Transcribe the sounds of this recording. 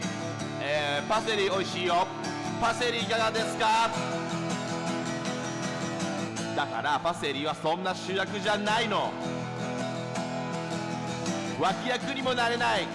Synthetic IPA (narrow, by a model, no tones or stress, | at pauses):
eːpase̞ɾʲiːo̞iɕiːjo | pase̞ɾʲiːkaɡad̪e̞sɨ̥ka | d̪aka̰ɾapase̞ɾʲiːβasõ̞nːaɕɨːjakɯ̟ʑanaino̞ | βakʲijakɯ̟ɲ̟imo̞naɾe̞nai